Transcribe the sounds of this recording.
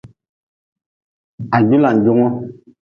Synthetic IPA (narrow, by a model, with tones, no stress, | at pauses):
a˨d͡ʒu˦la˨n˨d͡ʒu˦ŋɔ˦